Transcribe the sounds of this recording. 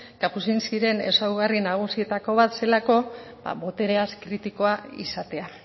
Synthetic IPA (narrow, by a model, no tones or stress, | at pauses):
ɡ̥apusinsiɾe̞ne̞̰sawɣarinaɣ̞usiet̪ako̞β̞at̪se̞lako̞ba̰βo̞t̪e̞ɾe̞askɾit̪iko̞aḭsat̪e̞a